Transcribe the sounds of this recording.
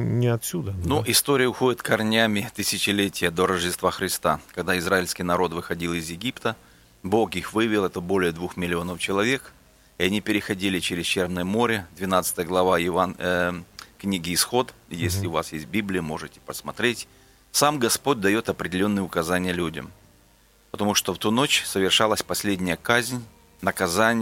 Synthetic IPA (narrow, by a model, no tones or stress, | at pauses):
nʲɪɐt̪ʲsʲud̪ənuʔɪst̪o̞ɾʲɪjəʊxo̞dʲɪt̪kɐrnʲamʲɪt̪ɨsʲɪt͡ɕɪlʲetʲɪjəd̪o̞ɾəʐdʲɪst̪vaxɾʲɪst̪akɐɡd̪aɪzraɪlʲsʲkʲɪjnɐɾo̞t̪vɨxɐdʲilˠɪzjɪɡʲipt̪ə | bo̞kixvɨvʲɪlˠɛt̪əbo̞lʲɪjəd̪vuxmʲɪlʲɪo̞nəft͡ɕɪlˠɐvʲe̞k | ɪɐnʲipʲɪɾʲɪxɐdʲilʲɪt͡ɕeɾʲɪzt͡ɕervnəjəmo̞ɾʲɪd̪vʲɪnat̪sɨ̥t̪əjəɡlˠɐvajɪan | knʲiɡʲɪːsxo̞t̪jesʲlʲɪʊvasjesʲt̚ʲbʲiblʲɪjʊmo̞ʐɨtʲɪ̥pəsmɐt̪ɾʲetʲ | samɡɐspo̞t̚ʲd̪ɐjo̞t̪ɐpɾʲɪdʲɪlʲo̞nːɨjəʊkɐzanʲɪjəlʲudʲə̰m | pət̪ɐmuʂt̪oft̪uno̞t͡ɕsəvʲɪrʂalˠəsʲpɐsʲlʲedʲnʲɪjəkazʲnʲ | nəkɐzanʲɪ